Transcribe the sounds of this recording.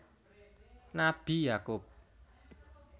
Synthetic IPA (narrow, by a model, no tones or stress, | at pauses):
nab̥i̤jakʊp̚